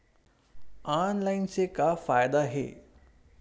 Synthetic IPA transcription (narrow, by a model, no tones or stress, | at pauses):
aːnlaɪnsekafaːjd̪aɦḛː